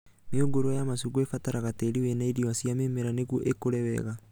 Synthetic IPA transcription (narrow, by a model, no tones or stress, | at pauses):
mioɡoɾojamasuɡoefataɾaɣateɾiwɛnaiɾioasjameːmɛɾaneɣwoʔekoɾɛwɛ̰ɣa